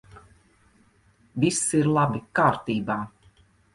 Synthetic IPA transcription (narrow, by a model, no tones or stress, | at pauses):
vʲisiɾlˠabikaːɾt̪iːbaː